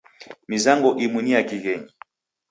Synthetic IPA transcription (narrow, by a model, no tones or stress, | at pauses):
mizaŋɡɔʔimwiniakiɣɛɲi